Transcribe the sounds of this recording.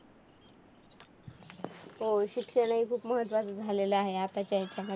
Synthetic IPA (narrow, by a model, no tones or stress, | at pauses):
ɦoɕikʂəɽ̃aɦiːkʰuːpməɦət̪ʋat͡sd͡zʱaleləaɦeap̪at͡ɕaɦet͡ɕjamə